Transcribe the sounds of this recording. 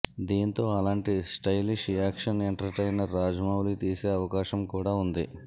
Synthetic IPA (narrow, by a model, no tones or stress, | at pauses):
d̪iːnt̪o̞ːɐlaːɳʈisʈɐjliʂijaːkʂɐneɳʈɐɾʈɐjnɐɾːaːd͡ʒɐmaːwlit̪iːseːɐʋɐkaːʃɐmkuːɽaːund̪i